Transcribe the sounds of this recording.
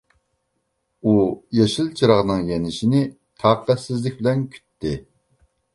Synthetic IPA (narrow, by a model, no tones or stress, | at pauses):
ujɑʃilˠt͡ʃʰiɾɑʁnɨŋjɛnɪʃinɪ | t̪ʰɑːqæsɪzlɪkʲbɪlɛnkʲʰy̥t̪ʰːɪ